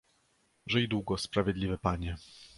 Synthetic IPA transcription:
ʐɛjd̪wuɡɔspɾavʲjɛd̪lʲivɘpaɲɛ

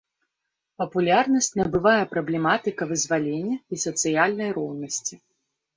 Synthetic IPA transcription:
pɐpulʲarnɐsʲt͡sʲnɐbɨvajɛpɾɐblʲɛmat̪ɨkɐvɨzvalʲenʲːɐisɐt̪sɨjalʲnɐjrɔwnɐsʲt͡sʲi

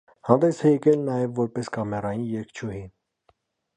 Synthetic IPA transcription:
hɑnd̪ɛsɛjɛkɛlnɑjɛvːɔɾpɛskɑmɛrɑjinjɛɾkʰt͡ʃʰuhin

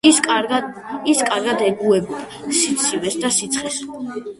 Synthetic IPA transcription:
iskʼaɾɡad̪ɛɡuɛb | sit̪sʰivɛsd̪asit̪sʰχɛs

